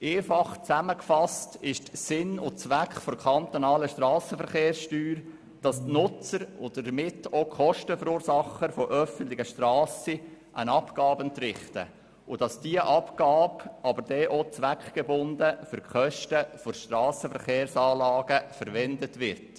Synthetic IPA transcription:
ʔeːfɑχt͡sæməkfɑstɪʃtsɪnʊt͡sʋækχfoɾkʰɑnt̪onɑːləʃtɾɑːsəfəɾχeːɾsʃtyːɾ | d̥ɑstnʊt͡səɾʊdədəmɪtokʰχɔʃtəfəɾuːɾsɑχəɾfoʔœfən̩tlɪɡ̥əʃtɾɑːsiʔæ̰nɑpkɑːbənt̪ɾɪχtə̰ | ʊd̥ɑsd̥iəʔɑpkɑːpʔɑbəɾd̥ɛʔot͡sʋækχɡ̥ebʊndəfʏɾkχœʃtəfoʃtrɑːsəfəɾχeːɾsɑːlɑːɡ̥əfəɾʋɛndətʋɪɾt

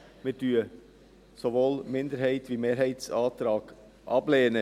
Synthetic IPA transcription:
mɪːɾd̥yːə | soʋoːlmɪnd̪əɾɦɛɪt̪ʋiːmeːɾɦɛɪtsɑːt̪ɾɑːɡ̥ | ʔɑbleːnə

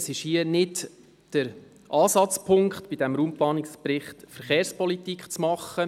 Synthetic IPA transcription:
sɪʃhiənɪt | d̥əɾ | ʔɑːsɑt͡spʰʊŋkχtb̥idɛmɾuːmplɑːnɪkspɾɪχtfəɾχeːɾspɔlitikχt͡smɑχːə

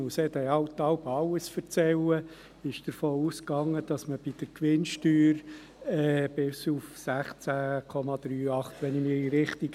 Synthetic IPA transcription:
ʊsɛdɛɑʊt̪ːɑʊpɑwəsfəɾt͡sɛlə | ɪʃd̥əɾfoːuːskɑŋːəd̪̥ɑsməb̥id̥əɾkʋɪnʃtyːɾ | ɛbɪsufsæχt͡sækʰɔmɑd̥̪ɾyːɑχt̪ʋɛnɪmiɾiɾɪχt̪iɡ

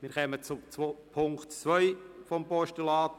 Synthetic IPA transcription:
mɪːɾχɛmət͡sʊt͡sopʰʊŋktt͡sʋœʏfɔmpɔʃtulɑːt

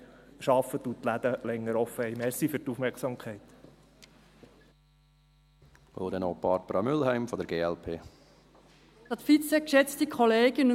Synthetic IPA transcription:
ʃɑfət̪ut̪læd̪əlɛŋːəɾɔfəhɛɪmɛɾsifyɾtufmɛksɑmkʰɛɪt̪ | o̰d̪ɛnopɑɾb̥əɾɑmʏlhæɪmfɔd̪əɾɡeːɛlpʰeː | tɑt̪fit͡sɛkʃɛt͡st̪ikʰχɔleːɡən

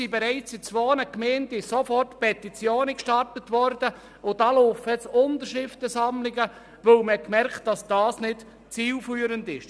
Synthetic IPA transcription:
sibɛɾɛɪt͡sɪt͡sʋoːnəkmeːndɪsofɔrtpɛtit͡sjoːnəkʃtɑrtətʋɔɾd̥ə | ʊdɑloːfɛt͡sʊndəɾʃɪftəsɑmlɪɡə | ʋœlməhɛt̚kmɛɾkt̚d̥ɑsd̥ɑːsnɪd̥ | t͡siːlfyːɾəndɪʃ

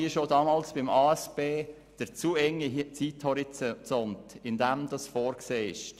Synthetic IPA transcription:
iəʃodɑːmɑːlsb̥ɪmɑːɛsb̥eː | d̥əɾt͡suːɛŋːit͡siːthɔɾit͡sɔntɪndɛmd̥ɑsfoːɾkseːɪ̰ʃt

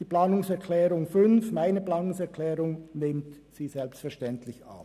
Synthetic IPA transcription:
d̥iːplaːnʊŋsɛʁkʰlɛːʁʊŋfʏnfmaɪnəplaːnʊŋsɛɐkʰlɛːʁʊŋnemt | siːzɛlpstfɛɐʃtɛntʰlɪça̰p

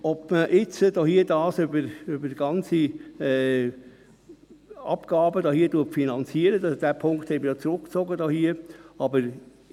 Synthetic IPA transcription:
ɔbməʔɪt͡səd̥oːhiədɑːsøbəɾøbədiɡ̥ɑnt͡siɛː | ɑ̰pɡ̥ɑːbədoːhiːəduɐtfinɑnt͡siəɾədɑd̥æːpʰʊŋkt̪hɛɪməjoːt͡sɾʊkkt͡soɡədoːhiːəɑbəɾ

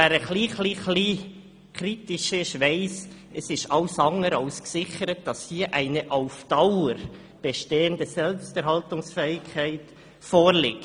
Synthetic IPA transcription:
æːɾəχliːχliːχliː | kʰɾiːtɪʃɪʃʋaɪs | ɛsɪʃɑʊsɑŋəɾɑʊsksɪçəɾət̚d̥ɑshiːəʔæɪnəʔaʊfd̥aʊəɾ | b̥eʃteːəndəsɛlpstɛɾɦɑltʊŋsfɛːɪkʰæɪt | foːɾlɪk

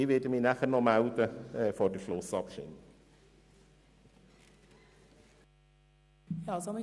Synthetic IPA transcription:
iveːdəminaχənɔmawdəəːfɔdəɬlʊːsɔb̥ʃɪ̰n | jasɔmi

